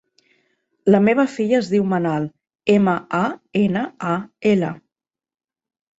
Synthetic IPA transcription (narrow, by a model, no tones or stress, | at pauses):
ləmeβəfiʎəːzðiwmənalˠ | eməaenəaelə